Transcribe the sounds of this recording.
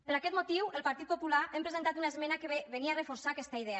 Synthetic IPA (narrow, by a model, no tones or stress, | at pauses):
pəɾakɛt̪mot̪iwəlˠpaɾt̪it̪̚populaʔempɾəzent̪at̪unaezmɛnakəβeniarəfoɾsaːkɛst̪aiðe